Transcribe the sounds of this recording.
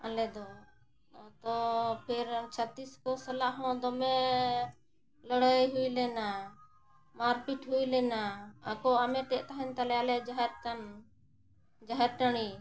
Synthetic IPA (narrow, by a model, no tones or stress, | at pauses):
alɛd̪ɔ | t̪ɔpʰɛɾt͡ʃʰət̪iskɔsalaʔɦɔ̃d̪ɔmɛ | ləɽəjɦujlɛna | maɾpiʈɦujlɛnaːkɔamɛʈɛʔt̪aɦɛnt̪alɛalɛd͡ʒaɦɛɾkan | d͡ʒaɦɛɾʈaɽ̃i